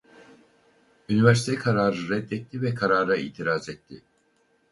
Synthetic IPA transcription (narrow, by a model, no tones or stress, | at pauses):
ynivɛɾsit̪ʰɛkʰaɾaːɾɯɾɛd̪ːɛt̪ːivɛkʰaɾaːɾaḭːt̪ʰiɾaːzɛt̪ʰːɪ̰